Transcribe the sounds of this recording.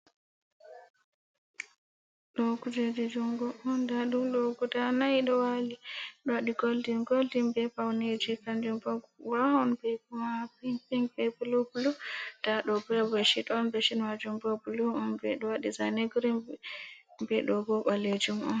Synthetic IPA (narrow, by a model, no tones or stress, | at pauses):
lɔɡud͡ʒedid͡ʒumɡɔʔɔndaɗumlɔɡudanajɗɔwaliɗɔwaɗiɡoldinɡoldimbɛpawned͡ʒikand͡ʒumbaɡwahɔnbɛpumapipiŋpɛpulubulud̥aɗɔbɛbɔʃitɔnbɛʃinmad͡ʒumbabulumɔnbɛɗɔwaɗizaneɡɾim | mbɛɗɔɡɔɓaled͡ʒumʔɔn